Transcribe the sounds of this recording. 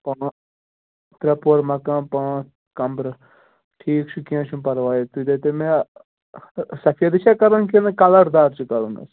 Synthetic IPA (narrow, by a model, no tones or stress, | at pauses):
pɐɳ | t̪ɾɐpoɾmɐkãːpɐɳ | kɐmbɾ | ʈʰiːkt͡ʃʰukiãt͡ʃʰũpɐɾʋaːjet̪ud̪et̪emẽ | sɐfʰijɐd̪iʃakɐɾɐnkinɨkɐlɐɾd̪aːɾt͡ʃʰukɐɾunɐ̰s